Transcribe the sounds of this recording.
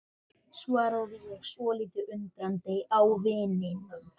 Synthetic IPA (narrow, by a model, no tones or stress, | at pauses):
svaːɾaðvɪjɛɣsvɔːliːt̪ɪʔʏnt̪ɾant̪ejawvɪːnɪnʏm